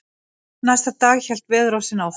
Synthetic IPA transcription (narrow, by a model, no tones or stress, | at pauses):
najst̪at̪aːɣçɛl̥t̪vɪðɾowsɪnaw